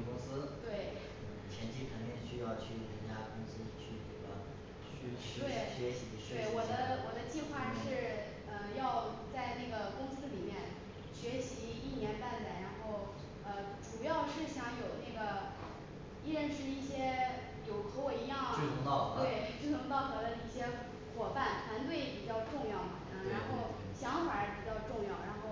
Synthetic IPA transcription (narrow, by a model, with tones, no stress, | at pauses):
kʊ˥ŋsɹ̩˥t̪we˥˩ɪ˥˩ | t͡ɕʰjɛ˧˥nt͡ɕi˥˩ʈ͡ʂʰə˧˥ŋmjɛ˥˩nɕy˥jɑ˥˧ʊt͡ɕʰy˥˩t̪ə˧˥nt͡ɕja˥kʊ˥ŋsɹ̩˥t͡ɕʰy˥˩ʈ͡ʂe˥˩ɡə̰˩ | t͡ɕʰy˥˩˥t̪we˥˩ɪ˥ɕɥɛ˧˥ɕi˧˥˧e˥˩ɪwɔ˨˩d̪ə˦wɔ˨˩d̪ə˦t͡ɕi˥˧xwa˥˧ʂɻ̩˥˧ | ə˧jɑ˥˧ʊt͡sa˥˧ɪna˥˩ɡə˩kʊ˥ŋsɹ̩˥li˨˩mjɛ˥˩n | ɕɥɛ˧˥ɕi˧˥i˥˩njɛ˧˥npa˥˩nd̪ə˩ɻa˧˥nxo˥˩ʊ | ə˧ | ʈ͡ʂu˨˩jɑ˥˧ʊʂɻ̩˥˩ɕjɑ˧˥ŋjo˨˩ʊna˥˩ɪɡə˩ | i˥ɻə˥˧nʂɻ̩˥˧i˥˩ɕjɛ˥ | jo˨˩ʊxɤ˧˥wɔ˨˩i˧˥jɑ˥˩ŋ˥˩˧ŋt̪ɑ˥˩˧we˥˩ɪ˥y˥˩nʰʊ˧˥ŋt̪ɑ˥˩ʊt̪ɤ˧˥d̪ə˧i˥˩ɕjɛ˥ | xwɔ˨˩fa˥˩nt̪ʰwa˧˥nt̪̬we˥˩ɪpi˨˩t͡ɕjɑ˥˧ʊʈ͡ʂʊ˥˧ŋjɑ˥˩ʊmɐ˩ə˥˩ɻa˧˥nxo˥˩ʊ | ɕjɑ˧˥ŋfa˨˩˥pi˨˩t͡ɕjɑ˥˧ʊʈ͡ʂʊ˥˧ŋjɑ˥˩ʊɻa˧˥nxo˥˩ʊ